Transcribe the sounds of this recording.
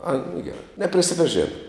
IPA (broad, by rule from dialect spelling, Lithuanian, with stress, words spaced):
ɐɪ nʊ ɡʲɛˈrɐɪ nʲɛpʲrʲɪsʲɪpɐˈʒʲeːnɐ